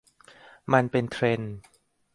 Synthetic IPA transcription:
ma˧npe˧nt̪ʰɾe˧n

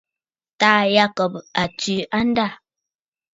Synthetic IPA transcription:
taː˦ja˦˨kɔ˨p̚a˨tʉ˨ʔa˦n̩˦da˦˨

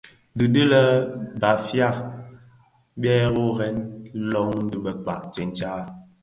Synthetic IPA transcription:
dɨ˨də˦lə˦ba˨fja˦˨ | bɛ˦ɣo˦ɣɛ˦n˦lɔ˦ŋn̩˦dɨ˦bə˨k͡pa̰˨ʔt͡ʃɛ˨n˦t͡ʃa˦

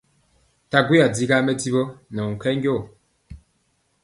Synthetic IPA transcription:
ta˨ɡwi˦a˨di˦ɡa˦mɛ˦di˦bo˦nɛ˨ŋ̩˨kɛ˦ŋɡjo˦˨

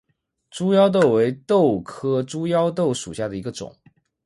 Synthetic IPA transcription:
ʈ͡ʂu˥jɑ˥ʊt̪̬o˥˩ʊwe˧˥ɪt̪o˥˩ʊkʰɤ˥ʈ͡ʂu˥jɑ˥ʊt̪̬o˥˩ʊʂu˨˩ɕja˥˩d̪ə˩i˧˥ɡə˧ʈ͡ʂʊ̰˨˩˦ŋ

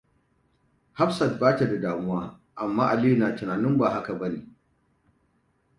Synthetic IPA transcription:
ha˦ɸsɐ˨t̚baː˦ta˨da˨daː˨mʊ˦waː˦ | ʔa˨mːaː˦ʔa˨liː˦˨naː˨tɪ˨naː˨nɪ˦mbaː˨ɦa˦ka˨bɐ˦nḭː˨

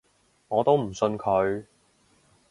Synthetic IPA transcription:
ŋɔː˨˧t̪o˥wm̩˨˩sɵ˧nkʰɵ˨˧ɥ

